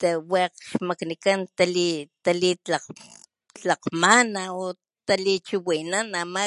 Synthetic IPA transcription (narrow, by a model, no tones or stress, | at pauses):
t̪aweqʃmaknikant̪alit̪alit͡ɬaq | t͡ɬaqmanao | t̪alit͡ʃuwinanama